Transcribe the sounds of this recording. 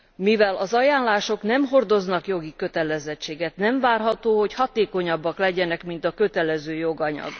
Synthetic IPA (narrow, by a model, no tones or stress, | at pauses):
mivɛlɒzɒjaːnlaːʃo̞knɛmɦo̞rd̪o̞znɒkjo̞ɡikø̞t̪ɛlɛzɛt͡ʃːeːɡɛt̪nɛɱvaːrɦɒt̪oːɦo̞chɒt̪eːko̞ɲɒbːɒklɛɟɛnɛkmint̪ɒkø̞t̪ɛlɛzøːjo̞ɡɒɲɒ̰ɡ